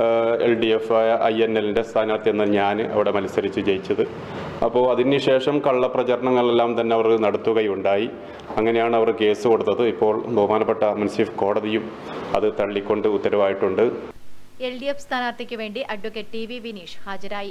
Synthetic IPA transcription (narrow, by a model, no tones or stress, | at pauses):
ḛlɖiefʔɐjenːelinde̞st̪ʰaːnaːrt̪ienːɐɲaːnɨɐ̰ʋiɽe̞mɐlisɐɾit͡ɕːɨt͡ɕe̞jit͡ɕːɐðɨ | ɐpːo̞ːɭɐðindɨɕe̞ːʂɐmkɐɭːɐprɐt͡ɕɐɾɐɳɐŋːɐɭelːaːmt̪ɐnːe̞ɐʋɐrɨnɐɽɐt̪ːuɣɐjuɳɖaːji | ɐŋːɐne̞jaːɳɨɐʋɐrke̞ːsɨko̞ɽut̪ːɐðɨipːo̞ːɭbʱɐɦumaːnɐpːeʈːɐmɐnsifko̞ːɽɐðijum | ɐðɨt̪ɐɭːikʲːo̞ɳɖɨut̪ːɐɾɐʋaːjiʈːuɳɖɨ | elɖijefst̪ʰaːnaːrt̪ɐkʲːɨʋe̞ːɳɖiʔɐɖʋokːeʈʈiʋiʋiniːʂhaːd͡ʑɐɾaːji